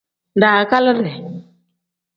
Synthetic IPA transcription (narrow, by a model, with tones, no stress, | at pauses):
da˨ka˦lə˦ɾɛ˨